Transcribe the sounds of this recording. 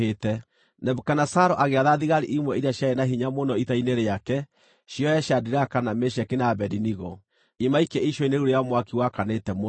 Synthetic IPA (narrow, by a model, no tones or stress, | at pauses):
etɛ | nɛbukanasaɾɔʔaɣeaðaðiɣaɾiʔimwɛiɾiaɕjaɛnaɦiɲamonɔitaineɾeakɛ | ɕjɔjɛɕjadiɾakanameʃ̬ɛkenabɛdiniɣɔ | imaikɛiʃɔineɾuɾejamwakiwakanetɛmo